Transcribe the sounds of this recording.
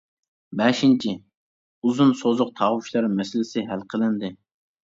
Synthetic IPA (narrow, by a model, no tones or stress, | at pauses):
bɛʃint͡ʃʰi | uzunsozʊq̚t̪ʰɑʁwuʃlˠɑɾmɛsɪlɪsɪɦælqʰəlˠɪnd̪ɪ